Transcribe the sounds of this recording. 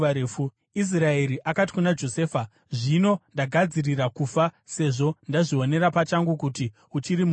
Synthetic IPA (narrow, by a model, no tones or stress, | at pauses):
eu | is̬rae̞ɾiʔakati̥kunad͡ʒo̞se̞ːfa | ʐino̞ndaɡʱad͡zirirakuːfase̞ʐo̞ndaʐio̞ne̞ɾapat͡ʃaŋɡukuti | ut͡ʃiɾimu